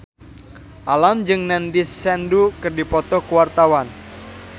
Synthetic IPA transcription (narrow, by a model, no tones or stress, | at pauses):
ʔalamd͡ʒɨŋnɛndisːɛndukɨrdipɔt̪ɔkuwart̪awan